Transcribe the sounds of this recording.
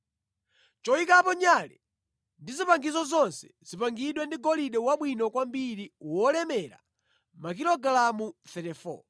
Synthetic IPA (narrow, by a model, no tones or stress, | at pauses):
t͡ʃɔikapɔɲalɛ̰ | ndizipaŋɡizɔzɔnsɛ̥z̥ipaŋɡiɗwɛndiɡɔliɗɛwaɓwinɔkwambiɾiwɔlɛmɛɾa̰ | mak̬ilɔɡalamuθɛtɛfɔ̰